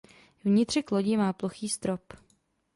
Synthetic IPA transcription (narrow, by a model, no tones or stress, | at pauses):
vɲɪt̪r̝̥ɪkloɟɪmaːploxiːst̪ɾop